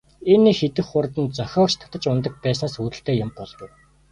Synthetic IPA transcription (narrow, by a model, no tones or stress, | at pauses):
enːixet̪ɘ̆xʊrt̪ə̆n̚t͡sœxʲɔːkt͡ɕt̪ʰḁt̪ə̆t͡ɕʊnt̪ə̆k̚pæːs̬naːsuːt̪ɘ̆ɬt̪eːjʊmpɔɮɣʊ̆w